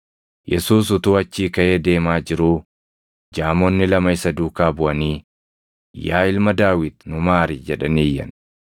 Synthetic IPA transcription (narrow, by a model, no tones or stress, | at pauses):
jɛsuːs̬ʊt̪uːɐt͡ʃːiːkɐʔe̞ːd̪e̞ːmaːd͡ʒɪɾuː | d͡ʒaːmonːɪlɐmɐɪsɐd̪uːkaːbʊʔɐniː | jaːɪlmɐd̪aːwɪd̪̚nʊmaːɾid͡ʒɛᶑɐniːjːɐ̰n